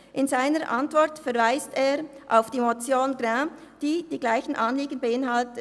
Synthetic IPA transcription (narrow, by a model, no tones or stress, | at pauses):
ʔɪnzaɪnəɾʔɑntv̥ɔɾtfɛʁvaɪsteːʁʔaʊfd̥iːmot͡sjoːnɡʁɛ̃ː | d̥iːd̥iːɡlaɪçn̩ʔɑnliːɡən̩beɪnɦalt